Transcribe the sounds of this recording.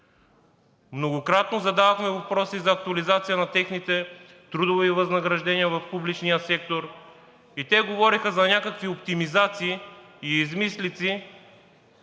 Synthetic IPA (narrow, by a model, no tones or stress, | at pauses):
mnoɡokɾat̪nozɐd̪aðoxmɛvɐpɾɔsizɐːk̚t̪uɐlizat̪sijənɐt̪ɛxnit̪ɛ | t̪ɾud̪ʊvivɐznɐɡɾɐʒd̪ɛniəvɐfpublit͡ʃnijəsɛk̚t̪oɾ | it̪ɛɡovɔɾixəzɐnʲakəkviopt̪imizat̪siː | zmislit̪si